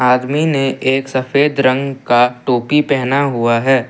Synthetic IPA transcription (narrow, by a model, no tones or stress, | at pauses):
aːd̪mineʔeːksɐfeːd̪ɾə̃ŋɡkaʈoːpipɛɦnaɦuaɦɛː